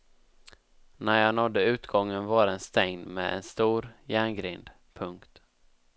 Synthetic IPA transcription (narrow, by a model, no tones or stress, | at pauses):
næɾjɑːnɔd̪ːəʉ̟ːt̪ɡɔŋːənvaɾɛnst̪ɛŋnmḛːd̪ɛ̰nst̪uːɾjæːɳɡɾɪnd̪ | pʰɵŋkt̪